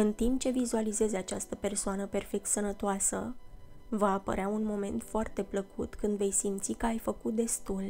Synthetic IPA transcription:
ɨnt̪imp̚t͡ʃe̞vizualize̞zeat͡ʃast̪əpe̞rsoanəpe̞rfe̞k̚t̪sənət̪oasə̰ | vaːpə̰ɾeaunmo̞me̞̰nt̪foart̪e̞pləkut̪kɨnd̪ve̞jsimt̪sikəajfəkut̪̚d̪e̞st̪ul

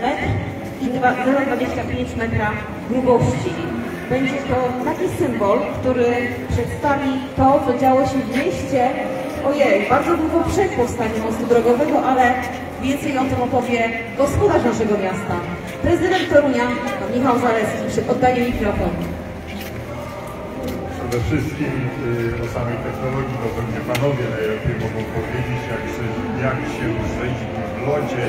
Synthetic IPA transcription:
ɛt̪ | ivazazad̪vad͡ʑeɕt͡ɕapʲjeɲt͡ɕmɛt̪ɾa | ɡwubɔɕt͡ɕi | bɛɲd͡ʑɛt̪ɔt̪akʲisɘmbɔlkt̪uɾɘ | pʂɛt̪st̪avʲit̪ɔt̪ɔd͡ʑawɔɕɛvmʲjɛɕt͡ɕɛ | ɔjɛjbaɾd̪zɔd̪wuɡɔpʂɛkwɔfst̪aɲumɔ̃st̪ud̪ɾɔɡɔvɛɡɔʔalɛ | vʲjɛnt̪sɛjɔ̃t̪ɔmɔpɔvʲjɛ | ɡɔspɔd̪aʂnaʂɛɡɔmʲjast̪a | pɾɛzɨd̪ɛnt̪t̪ɔɾuɲapanmʲixawzalɛt̪skʲipʂɛɔd̪ːajɛmʲikɾɔfɔn | pʂɛd̪ɛfʂɘst̪̚kʲimɔsamʲik̪ɛknɔɾɔɡʲit̪ɔpɛvɲɛpanɔvʲjɛnajlɛpʲɛjmɔɡɔ̃w̃pɔvʲjed͡ʑet͡ɕjaksɛ | jakɕɛusɛɲd͡ʑimɛvlɔt͡ɕɛ

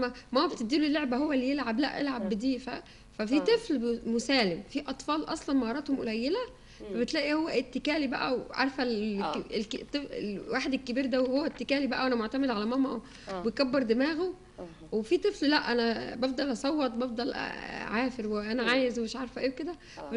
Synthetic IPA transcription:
mæmææbet̪ed̪ːiːlulːeʕbæɦowːælːijelʕablæʔʔḛlʕabːd̪iːfæ̰ | fæfit̪ˤeflmosæːlemfiʔɑt̪ˤfɑːlʔɑ̰sˤlɑnmɑhɑɾˤɑːt̪homolæjːelæ | fæbet̪læːʔihowːæʔet̪ːekæːlibæʔæ̰wʕɑ̰ɾˤfælekt̪ˤːefḛwaːħed̪elkːebiːɾd̪æwehowːæt̪ːekæːlibæʔæwʔænæmoʕt̪æmed̪ʕalæmæmæʔ | bejkæbːeɾd̪emæːɣo | wefit̪ˤefllæʔʔænæbɑfd̪ˤɑlʔɑsˤɑwːɑt̪̚ˤbɑfd̪ˤɑlʔʕaːfeɾweʔænæʕaːjezwemeʃʕɑɾˤfʔeːwked̪æ | fæ

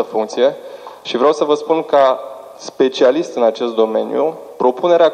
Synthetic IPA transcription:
əfuŋkt̪sije̞ʃivɾeawsəvəspunka | spe̞t͡ʃialiʃt̪ʲɨnat͡ʃe̞st̪d̪o̞me̞̰njṵpɾo̞pune̞ɾea

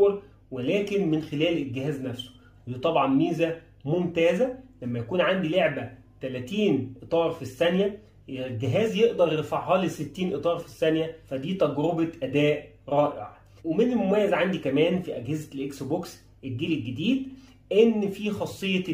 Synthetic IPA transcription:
ɾ | welæːkenmɪnxelæːlelɡːɪɦæːznæfso̥ | it̪ˤɑbʕɑnːiːzæ | momt̪æːzælæmːæjækuːnʕand̪ileʕbæ | t̪ælæt̪iːnʔet̪ˤɑːɾˤfisːænjæ | elɡeɦæːzjeʔd̪ɑɾˤjeɾfaʕɦɑːleset̪ːiːnʔet̪ˤɑːɾˤfisːænjæfæd̪iːt̪æɡɾobeʔæd̪æːʔ | ɾˤɑːʔḛʕɑ̰ | wemenelmomæjːæzʕand̪ikæmæːnfiʔæɡhezælʔeksboks | ʔelɡiːlelɡed̪iːd̪ | ʔenːfiːxɑsˤːejːɑ

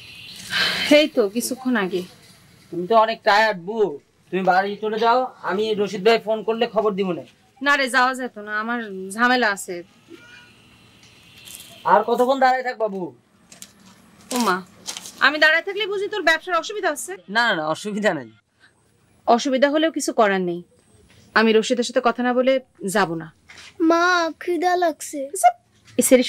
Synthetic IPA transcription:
hejt̪ok̬it͡ɕʰukʰːonaɡe | t̪umit̪oɔnek̚ʈɾajaʈ̚bu | t̪umibaɾit͡ɕoled͡ʑaoamiɾoʃid̪̚baefonkoɾlekʰɔboɾd̪ibone | naɾed͡ʑaoad͡ʑajt̪onaamaɾd͡ʑʱamelaasʰe | aɾkɔt̪okʰond̪aɾajt̪ʰak̚babu | oma | a̰mid̪aɾajt̪ʰaklebud͡ʑʱit̪oɾbɛpʃaɾɔʃubid̪ʱaasʰenananaɔʃubid̪ʱana̰j | ɔʃubid̪ʱaɦoleokit͡ɕʰukɔɾanːej | amiɾoʃid̪ʱaɾʃat̪ekɔt̪ʰanaboled͡ʑabona | makʰɾid̪alaɡsʰekso | eseɾiʃ

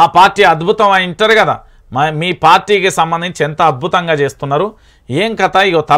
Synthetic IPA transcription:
aːpaːɾʈːiːɐd̪bʱut̪ɐmɐiɳʈɐːɾikɐd̪a̰ː | miːpaːɾʈiːkisɐmbɐnd̪iɲt͡ʃiɛnt̪ɐːd̪̚bʱut̪ɐŋɡaːt͡ʃe̞ːst̪unːaːɾu | eːŋkɐt̪aiɡot̪ɐ

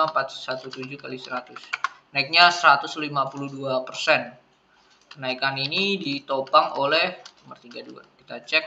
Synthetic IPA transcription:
ampat̪sat̪ut̪ud͡ʒukalisəɾat̪ʊsnaik̚ɲasəɾat̪ʊslimapuluhduapərsɛn | kənaikaninidit̪obaŋolɛhuma̰rt̪iɡadua̰kit̪at͡ʃɛk̚

